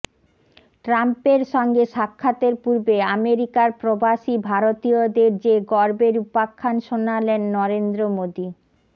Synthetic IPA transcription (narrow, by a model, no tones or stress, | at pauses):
ʈɾampeɾʃɔŋɡeʃakʰːat̪eɾpuɾbeameɾikaɾpɾobaʃibʱaɾot̪iod̪eɾd͡ʑeɡɔɾbeɾupakʰːanʃonalenːɔɾend̪ɾomod̪i